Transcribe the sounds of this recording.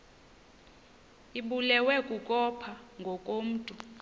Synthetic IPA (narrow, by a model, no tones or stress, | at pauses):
iɓulɛwɛkʼukʼɔpʰaŋɡʱɔkʼom̩ːtʼu